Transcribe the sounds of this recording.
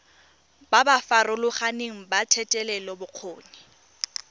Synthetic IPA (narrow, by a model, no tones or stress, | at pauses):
babafarʊlʊχaneŋ̩batʰɛtʼɛlɛlɔbʊq͡χʰoːni